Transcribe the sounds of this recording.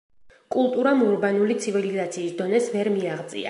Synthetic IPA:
kʼulˠt̪ʼuɾamuɾbanulit̪sʰivilizat̪sʰiːsd̪ɔnɛsvɛɾmiaʁdt̪zʼḭa̰

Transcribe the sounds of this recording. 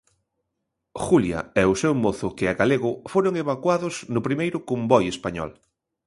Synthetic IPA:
xuljɐ̰ɛʊsewmoθʊkɪaɣaleɣʊfoɾʊŋeβakwaðʊsnʊpɾimejɾʊkombɔjespaɲɔ̰l

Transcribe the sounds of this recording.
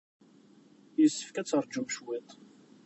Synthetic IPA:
jəsːə̥fkæt͡sːəɾˤd͡ʒumʃwit̪ˤ

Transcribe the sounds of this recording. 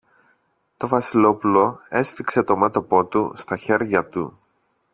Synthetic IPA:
t̪o̞vɐsilo̞pulo̞e̞sfikse̞t̪o̞met̪o̞po̞t̪ust̪ɐçe̞ɾʝɐt̪ṵ

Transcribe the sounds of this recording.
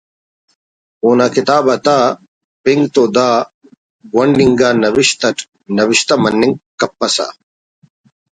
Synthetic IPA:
uːnakit̪aːbɐt̪aː | piŋɡt̪oːd̪aː | ɡwɐɳɖiŋɡaːnɐʋiɕt̪ɐʈ | nɐʋiɕt̪ɐmɐnːiŋɡkɐpːɐsa̰

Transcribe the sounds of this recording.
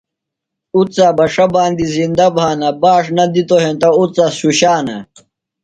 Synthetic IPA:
ut͡saːbɐʂɐbaːnd̪izind̪ɐbʱaːnɐbaːʂnɐd̪it̪oɦẽnt̪ɐut͡sɐɕuɕaːnɐ̰

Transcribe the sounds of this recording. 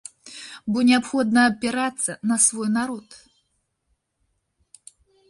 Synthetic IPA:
bɔnʲɛapxɔd̪nɐːpʲɛɾat̪sːɐnɐsvɔjnaɾɔt̪

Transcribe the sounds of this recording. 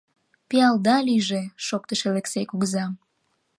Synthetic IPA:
piɑld̪ɑliʒeʃok̚t̪əʃeleksekuɣəzɑm

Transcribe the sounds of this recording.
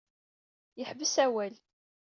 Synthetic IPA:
jəħbəsæwæl

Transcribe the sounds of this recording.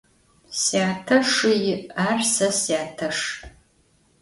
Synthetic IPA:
siaːtʰɐʂɨjɪaːrsɐsjaːtʰɐʂ

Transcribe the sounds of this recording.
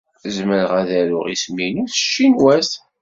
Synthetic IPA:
zməɾəʁæðæɾʊ̰ʁisminuθə̥ʃːinwæs

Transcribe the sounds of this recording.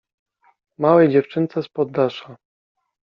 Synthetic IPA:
mawɛjd͡ʑɛft͡ʂɘnt̪sɛspɔd̪ːaʂa

